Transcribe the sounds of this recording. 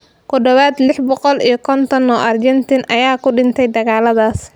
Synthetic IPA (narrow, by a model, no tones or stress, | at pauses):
kʰʊd̪ɔwaːd̪lɪħbɔqɔlijɞkʰɔnt̪ʰɔnɔːʔɐrd͡ʒɛnt̪ʰɪnʔɐjaːkʰʊɖɪnt̪ʰɛjd̪ɐɣaːlɐðaːs